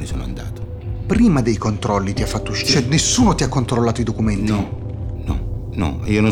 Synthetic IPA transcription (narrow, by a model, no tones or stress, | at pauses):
niso̰ːno̰a̰nd̪a̰ːt̪o̥ | pɾiːmad̪ejkont̪ɾɔlːit̪iafːat̪ːot͡ʃɛnːesːuːnot̪iakːont̪ɾolːaːt̪oid̪okument̪i | nɔ̰nɔ̰iːonõ